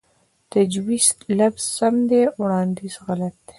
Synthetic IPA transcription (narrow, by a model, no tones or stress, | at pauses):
t̪ad͡ʒwizlabz̥samd̪ewɽɑnd̪izɣalat̪̚d̪e̥